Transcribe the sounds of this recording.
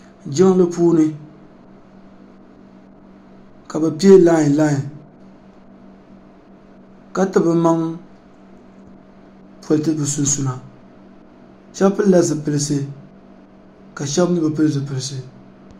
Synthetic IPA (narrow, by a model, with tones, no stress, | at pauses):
d͡ʒɪ˦ŋ˦lɨ˦puː˦nɨ˦ | ka˨bɨ˨pi˦e˦la˦˨la˦˨ | ka˦tɨ˦bɨ˨ma˦ŋ | po˨ltɨ˦bɨ˨sʊ˦n˦su˨na˨ | ʃɛ˦bpɨ˦n˦la˦zɨ˨pɨ˨lɨ˨s̬ɨ˦ | ka˨ʃɛ˦bɨ˦bɨ˨pɨ˦lɨ˦zɨ˨pɨ˨lɨ˨sɨ˨